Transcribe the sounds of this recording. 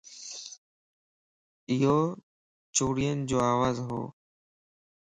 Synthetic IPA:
ɪɦoː | t͡ɕoːɽijənɪd͡ʑoːaːʋaːzɦo̰ː

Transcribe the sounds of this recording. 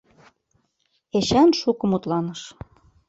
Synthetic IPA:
eɕænʃukɤ̆mut̪lɑnɤ̆ʃ

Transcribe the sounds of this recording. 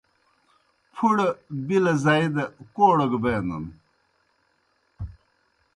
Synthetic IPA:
pʰuɽɐbilɐzaid̪ɐkoːɽɐɡbeːnɐ̰n

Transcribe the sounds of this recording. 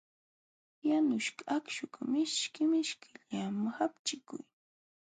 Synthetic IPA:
janʊʃkakʃʊkmɪʃkɪmɪʃkʰɪʎamxapt͡ʃɪkʊ̰j

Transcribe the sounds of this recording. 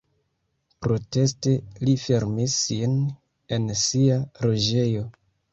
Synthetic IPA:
pɾo̞te̞ste̞life̞ɾmisːin | e̞nsiaɾo̞d͡ʒe̞jo̞

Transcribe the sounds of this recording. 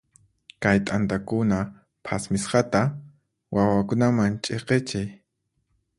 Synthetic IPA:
kajt̪ʼant̪akʊna | pʰasmɪsqɑt̪a | wʔawakʊnamant͡ʃʼeqet͡ʃaj

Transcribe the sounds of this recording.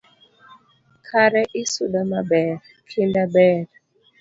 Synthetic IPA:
kʰaɾɛʔisuɗamabɛɾ | kʰindabɛɾ

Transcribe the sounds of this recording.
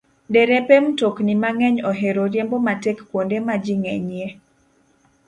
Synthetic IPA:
dɛɾɛpemtoknimaŋɛɲɔɦeɾoɾjembomatɛkːwondemad͡ʒiŋɛɲje

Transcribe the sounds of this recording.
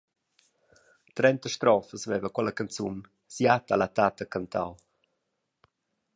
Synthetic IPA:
t̪ɾɛnt̪əʃt̪ɾɔfəsvɛvəkwɛləkant͡sun | sjat̪alat̪at̪əkant̪ʰa̰w

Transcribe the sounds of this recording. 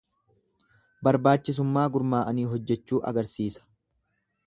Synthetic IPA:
bɐɾbaːt͡ʃːɪs̬ʊmːaːɡʊɾmaːʔɐniːɦɔd͡ʒːɛt͡ʃːuːʔɐ̰ɡɐɾsiːsɐ̥

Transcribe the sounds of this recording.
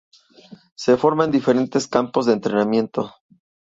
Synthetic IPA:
se̞fo̞ɾmaend̪ife̞ɾe̞nt̪e̞skampozðeːnt̪ɾe̞namje̞nt̪o̞

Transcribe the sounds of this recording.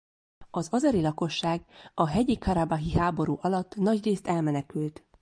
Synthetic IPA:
ɒzɒzɒɾilɒko̞ʃːaːɡɒɦɛɟikɒɾabaɦiɦaːbo̞ɾuːʔɒlɒt̪ːnɒɟreːst̪ɛlmɛnɛkylt̪

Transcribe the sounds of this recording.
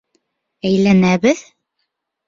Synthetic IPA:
æjlænæβɘð

